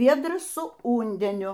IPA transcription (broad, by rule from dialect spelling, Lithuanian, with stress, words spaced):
ˈʋʲiɛdrɐs sʊ ˈʊnʲdʲɛnʲʊ